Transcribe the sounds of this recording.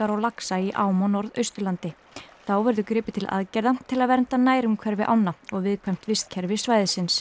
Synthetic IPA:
aɾɔlaksaiʔaːwmɔnɔɾðœɥst̪ʏlant̪ɪ | θawvɛɾðʏkɾɪːpɪt̪ʰɪlʔa̰ðcɛjɾðat̪ʰɪlaðvɛɾnt̪anaːjɾʏmkʰvɛɾvɪʔa̰wnːaɔɣvɪðkʰvɛjm̥t̪vɪst̪̚cʰɛɾvɪsvaːjðɪsɪns

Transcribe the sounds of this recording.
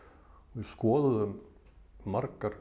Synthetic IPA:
ɔiskoːðəðə | maɾkaɾ

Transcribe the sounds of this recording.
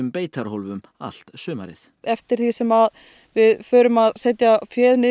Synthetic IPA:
ʏmpeːjt̪ʰaɾ̥holvʏm | a̰l̥t̪sʏːma̰ɾɪ̰θ | ɛft̪ɪɾ̥θisɛmað | vɪðfœːɾʏmaðseːjt̪jafjɛːðnɪ

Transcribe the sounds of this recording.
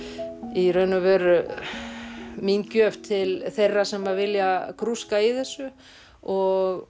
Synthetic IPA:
irœɥnʏvɛɾʏ | mincœft̪ʰɪlθejrːasɛmavɪljakʰɾuskaiθɛsːʏ | ɔɣ

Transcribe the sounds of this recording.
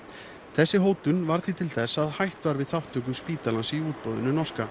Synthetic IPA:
θɛsːɪɦoːwt̪ʏnvaɾ̥θit̪ʰɪlθɛsːaðhajht̪vaɾvɪðθawht̪œk̬ʏspiːt̪alansɪiuːt̪̚powðʏ̰nːʏnɔ̥ska

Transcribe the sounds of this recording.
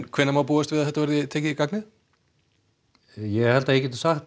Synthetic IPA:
kʰv̥ɛnːamaːwp̬uːast̪vɪðaθɛht̪ːavɛɾðɪt̪ʰɛːcɪikaknɪ | jɛhɛlt̪aɛcɛt̪ɪ̥saxt̪

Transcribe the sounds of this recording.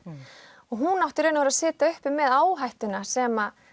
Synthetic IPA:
ɔɣɦunawht̪ɪɾeːjnavʏɾaðsɪːt̪aʏhpɪmːɛðaːwɦajht̪ʏnasɛma

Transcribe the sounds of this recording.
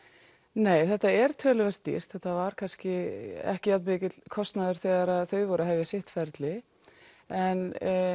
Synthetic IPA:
neːjθɛht̪ːaɛɾ̥t̪ʰœːlʏvɛr̥t̪ːḭr̥t̪θɛht̪ːavaɾ̥kʰanscɪɛ̰hcɪjalt̪mɪːcɪt̪l̥kʰɔst̪naðʏɾ̥θɛːɣaɾaðθœɥvɔːɾaɦɛvjasɪht̪fɛɾt̪lɪ | ɛn

